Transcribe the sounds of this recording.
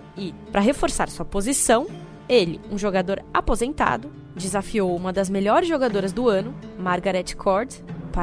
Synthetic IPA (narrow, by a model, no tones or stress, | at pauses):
ɪ | pɾɐɦefoɾsa̰ɾsuɐpozisɐ̃w̃ | elɪũʒoɡad̪oɾapozẽnt̪a̰d̪ʊ | d͡ʒɪzafiowũmɐd̪ɐzmeʎɔɾɪzʒoɡad̪oɾɐzd̪ʊɐ̃nʊmaɾɡaɾɛt͡ʃɪ̥kʰɔɾd͡ʒspa